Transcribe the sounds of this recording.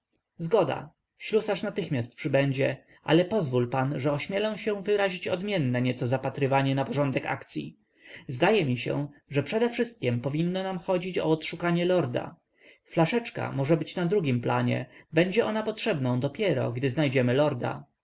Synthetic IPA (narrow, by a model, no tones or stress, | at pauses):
zɡɔd̪a̰ | ɕlusaʂnat̪ɘxmʲjast̪̚pʂɘbɛɲd͡ʑɛ | ʔa̰lɛpɔzvulpanʐɛɔɕmʲjɛlɔ̃w̃ɕɛ̃vɘɾaʑit͡ɕɔd̪mʲjɛnːɛɲɛt̪sɔzapat̪ɾɘvaɲɛnapɔʐɔnd̪ɛka̰kt̪sʲjḭ | zd̪ajɛmʲiɕɛ̰ʐɛpʂɛd̪ɛfʂɘst̪̚kʲɛmpɔvʲinːɔnamxɔd͡ʑit͡ɕɔ̰ːt̪ʂukaɲɛlɔɾd̪a̰ | flaʂɛt͡ʂka̰mɔʐɛbɘt͡ɕnad̪ɾuɡʲimplaɲɛ̰bɛɲd͡ʑɛʔɔnapɔtʂɛbnɔ̃w̃d̪ɔpʲjɛɾɔ̰ɡd̪ɘznajd͡ʑɛmɘlɔɾd̪a̰